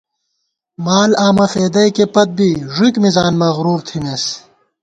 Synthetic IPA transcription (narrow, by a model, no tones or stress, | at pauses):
maːlaːmɐfeːd̪ɐjkepɐt̪̚biʐikmizaːnmɐɣɾuːɾt̪ʰimes